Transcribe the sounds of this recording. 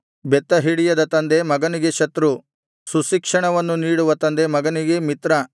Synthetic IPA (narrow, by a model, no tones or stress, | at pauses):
bɛt̪ːɐɦiɽijɐd̪ɐt̪ɐnd̪emɐɡɐniɡe̞ʃɐt̪ɾu | suʃikʂɐɳɐʋɐnːuniːɽuʋɐt̪ɐnd̪emɐɡɐniɡe̞mit̪ɾɐ